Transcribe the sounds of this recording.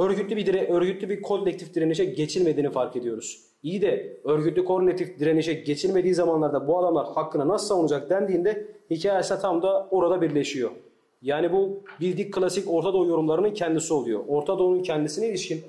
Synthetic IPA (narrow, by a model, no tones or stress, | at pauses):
øɾɟyt̪lʲibid̪iɾɛʔøɾɟyt̪lʲibikʰolʲlʲec̚t̪ʰifd̪iɾeniʃɛɟe̞t͡ʃʰilʲme̞d̪iːnifaɾke̞d̪ijo̞ɾuz̥ | ijd̪ɛøɾɟyt̪lʲikʰo̞ɾlʲet̪ʰifd̪iɾeniʃɛɟe̞t͡ʃʰilʲme̞d̪iːzamanlˠaɾd̪abuad̪amlˠaɾhakʰːɯnanasɯ̥sˠavunud͡ʒak̚d̪ænd̪iːnd̪ɛhicʰaːjesinɛt̪ʰamd̪aoɾad̪abiɾlʲe̞ʃijo̞ | jaːnibubilʲd̪ic̚kʰːɯlʲˠasico̞ɾt̪ʰad̪o̞ːjo̞ɾumlˠaɾɯnɯncʰɛnd̪isio̞lˠujo̰ʔoɾt̪ʰad̪o̞ːnuncʰɛnd̪isinɛilʲiʃcʲin